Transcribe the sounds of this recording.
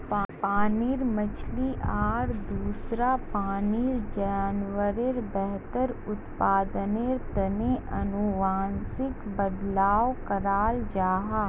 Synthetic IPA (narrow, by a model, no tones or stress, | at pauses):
paːniɾmət͡ʃʰliʔaːɾd̪uːsɾapaːnɪiɾd͡ʒaːnwəɾeɾbɛɦt̪əɾʊt̪paːd̪əneɾt̪ɐneʔɐnuʋaːnsɪkbɐd̪laːʋkɐɾaːld͡ʒaːɦaː